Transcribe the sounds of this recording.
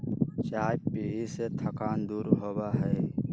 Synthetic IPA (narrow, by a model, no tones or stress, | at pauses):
t͡ʃaːjpiːɦiset̪ʰəkaːnd̪uːɾɦoːbaɦɛː